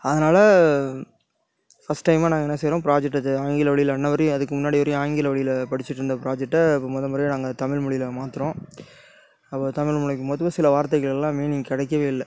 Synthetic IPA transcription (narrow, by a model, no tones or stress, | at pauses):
ɐðɐnaːlɐ | fɐsʈːɐɪmaːnaːɡɐɛnːɐsɛjɾõːpɪɾaːd͡ʒɛk̚ʈːɐðɯaːŋɡɪlɐʋɐɭɪjɪlɐnːɐʋɐɾiɐðɯkːɯmʊnːaːɽɪʋɐɾɪj̃aːŋɡɪlɐʋɐɭɪjɪlpɐɽɪt͡ʃːɪʈːɾɯnd̪ɐpɪɾaːd͡ʒɛk̚ʈːɐpːoːmɔðɐmɐɾɪnaːŋɡɐt̪ɐmɪɭmʊɭɪjɪlɐmaːt̪ɯɾõː | ɐpːoːt̪ɐmɪɭmʊɭɪkːɯmoðɯmɐsɪlɐʋaːɾt̪ɐɣɐɭɛlːãːmeːniːŋɡɐkɪɽɛɪkːɐʋeːɪlːɐ